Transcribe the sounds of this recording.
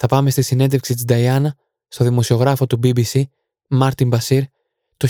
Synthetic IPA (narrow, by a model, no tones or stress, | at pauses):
θɐpɐme̞st̪isine̞nd̪e̞fksit̪izd̪ɐjɐnɐ | st̪o̞ðimo̞sio̞ɣɾɐfo̞t̪ubibisi | mɐɾt̪imbɐsiɾ | t̪o